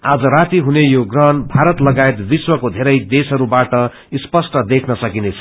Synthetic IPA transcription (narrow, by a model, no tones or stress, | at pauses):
ad͡zʌɾat̪iɦunejoɡrʌɦʌnbʱaɾʌt̪lʌɡaet̪biswʌkod̪ʱeɾʌjd̪esɦʌɾubaʈʌ | ispʌsʈʌd̪ekʰnʌsʌkinet͡sʰʌ